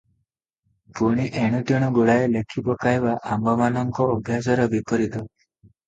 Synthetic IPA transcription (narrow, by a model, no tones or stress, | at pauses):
puɽ̃iʔɛɽ̃uʈ̪ɔɽ̃ɔɡuɽaelekʰːipɔkajʋaʔambɔmanɔŋkɔːbʱjasɔɾɔbipɔɾit̪ɔ